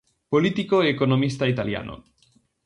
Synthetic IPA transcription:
polit̪ikoeːkonomist̪ait̪alja̰nʔo̰

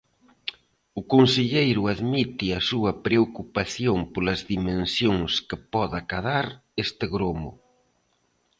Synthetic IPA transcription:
ʊkonseʎejɾʊaðmit̪iɐsuɐpɾeokupaθjompolɐzðimẽnsjoŋskepɔðakaðaɾest̪ɪɣɾomʊ̰

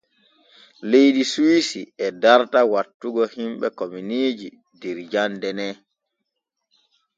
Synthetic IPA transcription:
lejɗisuwisiɛdaɾtawatːuɡɔhimɓɛkominiːd͡ʒi | dɛɾd͡ʒandɛnɛ

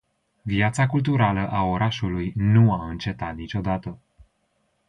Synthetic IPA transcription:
viat̪sakult̪uɾaləʔao̞ɾʔaʃulujnuaɨnt͡ʃe̞t̪at̪nit͡ʃo̞d̪at̪ə

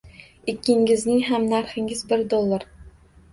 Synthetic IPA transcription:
ɪkʲːɪŋʲɪznɪŋɦamnaɾχɪŋɪzbɪɾd̪olˠːaɾ

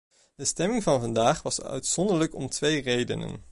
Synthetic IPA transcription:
d̥əstɛmɪŋvɑnvɑndaːχʋɑsœ̰ɥtsɔndələkɔmtʋejrejdə̰nə̰n

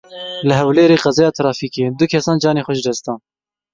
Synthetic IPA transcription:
ləɦɛwleːɾeːqɑzɛjɑːt̪ʰɾɑːfiːkeːd̪ʊkʰɛsɑːnd͡ʒɑːneːxʷɔʃdɛst̪ɑːn

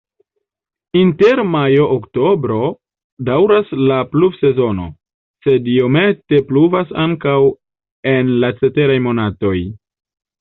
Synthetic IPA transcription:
inte̞ɾmajo̞ʔːkto̞bɾo̞ | dawɾaslaplufse̞zo̞no̞̰ | se̞dio̞me̞te̞pluvasaŋkaw | e̞nlat͡se̞te̞ɾajmo̞nato̞j

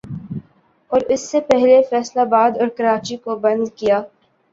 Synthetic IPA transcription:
ɔːɾɪsːepɛɦlefɛːslabaːd̪ɔːɾkɐɾaːt͡ʃikobɐ̃nd̪kijaː

